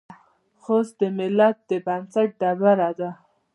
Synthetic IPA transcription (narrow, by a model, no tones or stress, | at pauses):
xosd̪əmɪlat̪̚d̪əbansaʈ̚ɖabaɾad̪a